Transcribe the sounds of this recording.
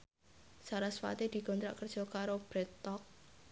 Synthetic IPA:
saɾasfa̰t̪ed̪̥i̤ɡ̥ɔnt̪ɾa̰ʔkərd̥ʒ̥ɔ̤kaɾob̥ɾet̪ɔk̚

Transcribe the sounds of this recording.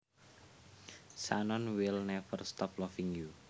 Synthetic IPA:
sa̰nɔnwilnɛvərst̪ɔplɔfiŋju

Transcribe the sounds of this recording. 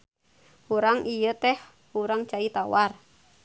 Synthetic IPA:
huɾaŋʔijət̪ɛh | huɾaŋt͡ʃait̪awar

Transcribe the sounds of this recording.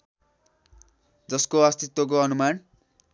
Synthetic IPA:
d͡zʌskoast̪it̪wok̬oʌnuman

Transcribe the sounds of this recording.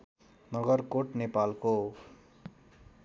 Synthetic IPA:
nʌɡʌrkoʈnepalko

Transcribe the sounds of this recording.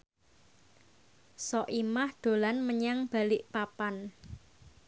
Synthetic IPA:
sɔʔimahd̪̥o̤lanməɲaŋb̥a̤lɪʔpapan

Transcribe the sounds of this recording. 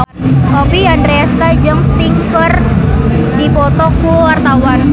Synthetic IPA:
kɔpiɦandɾeaskad͡ʒəŋst̪iŋkər | dipɔt̪ɔkuwart̪awan

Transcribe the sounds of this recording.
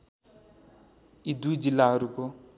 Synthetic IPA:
id̪uid͡ʒilaɾuko

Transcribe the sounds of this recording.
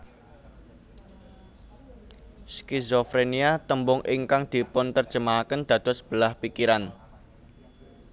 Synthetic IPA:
skizɔfɾeniat̪əmbʊŋʔɪŋkaŋd̪̥i̤pʊnt̪ərʒ̥ə̤maakənd̪̥ä̤d̪̥ɔ̤sə̥b̥ə̤lahpikiɾan

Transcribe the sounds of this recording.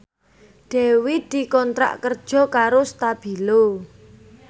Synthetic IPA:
ɖ̪̥e̤wid̪̥i̤kɔnt̪ɾa̰ʔkərd̥ʒ̥ɔ̤kaɾost̪ab̥i̤lo

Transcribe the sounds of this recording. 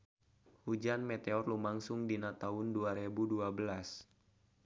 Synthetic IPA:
hud͡ʒanmet̪eɔrlumaŋsʊŋdinat̪aʊnduaɾebuduabəlas

